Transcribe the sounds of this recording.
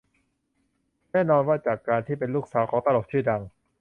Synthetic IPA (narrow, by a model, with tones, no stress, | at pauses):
nɛː˥˩˨nɔː˧nwaː˥˩t͡ɕaː˨˩kːaː˧nt̪ʰiː˥˩pe˧nluː˥˩k̚saː˨˦wkʰɔː˩˦ŋt̪a˧lo˨˩k̚t͡ɕʰɯː˥˩da˧ŋ